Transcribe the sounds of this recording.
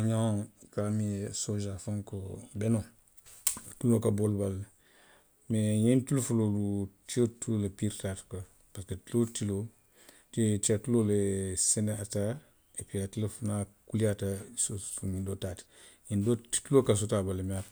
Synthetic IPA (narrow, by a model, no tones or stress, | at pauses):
aɲaŋkamisoʒafaŋkobeno | tulokabolbal | mejintulufulolutiotulolepiɾtaːtko | paɾketulotilo | tet͡ʃiatuloleseneata | epiatilefunakuliatasouindotati̥jindo̥tulokas̬otabalemia